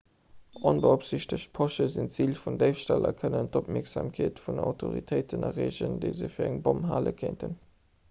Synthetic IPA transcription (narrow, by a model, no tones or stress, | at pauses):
ʔonbəopz̥iɕtəɕt̚pʰoʃəzint͡siːlfundəɪfʃtælɐ̰kʰənəntop̚miɐkz̥aːmkʰeːtfundəa̰ʊtʰoʁḭtʰəɪtʰənɑʁeːʑəndəɪzəfiːɐæŋbomɦaːləkʰeɪntʰən